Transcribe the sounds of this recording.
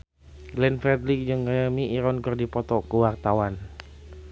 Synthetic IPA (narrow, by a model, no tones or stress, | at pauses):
ɡlɛnfɛd̪lik̚d͡ʒɨŋɡajamiʔːɾɔnkɨrdipɔt̪ɔkəwart̪awan